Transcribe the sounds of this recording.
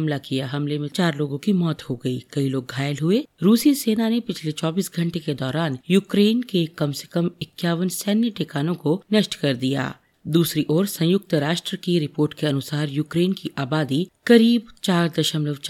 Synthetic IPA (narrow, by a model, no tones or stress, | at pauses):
mlakijaɦɐmlemẽt͡ʃaːɾloːɡõkimɔːt̪hoɡɐikɐiloːɡ̚ɡʱaːjəlɦʊeɾuːsiseːnanepɪt͡ʃʰlet͡ʃɔːbiːsɡʱɐ̃ɳʈeked̪ɔːɾaːnjuːkɾeːnkekɐmsekɐmɪkjaːʋənsɛːnjəʈekaːnõkonɐʃʈkɐɾd̪ija̰ː | d̪uːsɾiʔɔːɾsɐ̃jʊk̚t̪ɾaːʃʈɾəkiɾɪpoːɾʈkeɐnʊsaːɾjuːkɾeːnkiʔaːbaːd̪ikɐɾiːbt͡ʃaːɾd̪ɐʃəmləʋt͡ʃ